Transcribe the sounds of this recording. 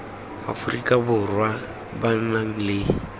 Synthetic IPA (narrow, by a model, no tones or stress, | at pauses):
a̰fʊrikʼabʊrwa | ban̩naŋ̩lɪ